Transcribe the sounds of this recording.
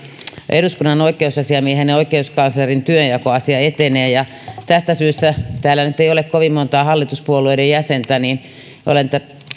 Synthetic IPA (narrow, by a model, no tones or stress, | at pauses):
ḛɾuskunːɑnoikˑeusɑsiɑmieheneoikeuskɑnslɑrint̪yøjjɑkoɑsiɑet̪eneːjɑ | t̪æst̪æsyːst̪æt̪æːlːænyt̪eiolekkoʋimmont̪ɑːhɑlːit̪uspuolueiɾejjæsent̪æniːn | ʔo̰lent̪æ